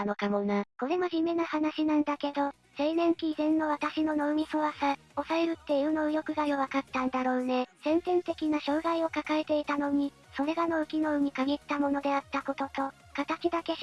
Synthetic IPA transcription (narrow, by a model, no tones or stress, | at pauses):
nokamonako̞ɾe̞mo̞ʑɨme̞nahanaɕinãnd̪ake̞d̪o̞ | se̞ːnẽ̞ŋkʲiːzẽ̞nːo̞β̞at̪aɕino̞no̞ɯ̟mʲiso̞βasa | o̞saeɾɯ̟t̪ːe̞iɯ̟no̞ɯ̟jo̞kɯ̟ɡaioβakat̪ːãnd̪aɾo̞ːne̞sẽ̞nt̪ẽ̞nt̪e̞kʲinaɕo̞ːɡaio̞kakaet̪e̞it̪ano̞ɲ̟i | so̞ɾe̞ɡano̞ɯ̟kʲino̞ɯ̟ɲ̟ikaɡʲit̪ːamo̞no̞d̪e̞at̪ːako̞t̪o̞t̪o̞ | kat̪at͡ɕid̪ake̞